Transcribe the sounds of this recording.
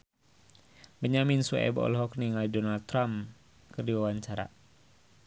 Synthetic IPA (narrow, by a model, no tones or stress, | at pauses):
bəɲaminsuɛ̰bɔ̰lɦɔkniŋalidɔnalt̪ːɾam | kərdiwawaɲt͡ʃaɾa̰